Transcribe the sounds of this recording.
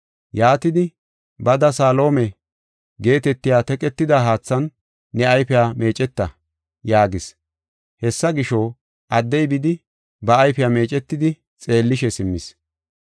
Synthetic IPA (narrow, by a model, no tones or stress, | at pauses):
jaːt̪ɪd̪ɪ | bɐd̪ɐsaːlo̞ːmɛ | ɡe̞ːt̪ɛt̪ːɪjaːt̪ɛkʼɛt̪ːɪd̪aɦaːt͡sːɐnː | ɛɐjfɛjaːme̞ːt͡ʃʼɛt̪ːɐ | jaːɡɪs | hɛsːɐɡɪʃo | ʔɐd̪ːɛjbɪd̪ɪ | bɐːjfɪjaːme̞ːt͡ʃʼɛt̪ːɪd̪ɪ | t͡sʼe̞ːlːɪʃɛsɪmːɪs